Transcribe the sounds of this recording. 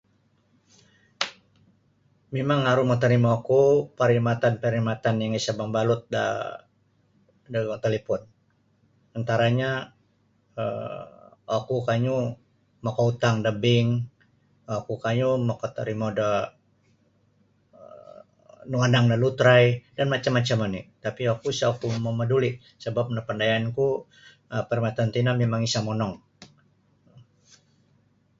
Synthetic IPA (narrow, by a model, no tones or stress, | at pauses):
memaŋaɾumat̪əɾimaakupaɾimat̪anpəɾimat̪anjaŋisabaŋbalʊt̪̚da̰ | dat̪alipʊn | ant̪aɾaɲa | ə̰ | akukaɲu | makɔut̪aŋdəbɪŋ | akukaɲumakɔt̪aɾimoda | nuanaŋnalut̪ɾajdanmat͡ʃamːat͡ʃamanit̪apiakusaukumoməduli | səbap̚napandajaanku | əpɛrmat̪ant̪inamemaŋisamɔnɔŋ